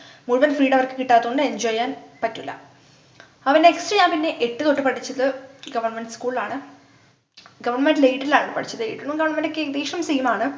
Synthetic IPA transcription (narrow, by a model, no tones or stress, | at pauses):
muɻʋɐnfriːɽɐʋɐrkɨ̥kiʈːaːðuɣoɳɖɨeɲd͡ʑoːjaːnpɐtːulːɐ̰ | ɐʋɐndeeksʈrɐjaːnpinːe̞ʔeʈːɨkoʈːɨpɐʈʰit͡ɕːɐðɨɡɐʋɐrɳmeɳɖɨskuːɭaːɳɨ | ɡɐʋɐrɳɐmenɖɨlejʈːɐilaːɳɨpɐʈit͡ɕːɐðɨeːiʈːuɳːuɡɐʋɐrɳɐmenɖɨkːed̪iːʂrɐmsiːmaːɳɨ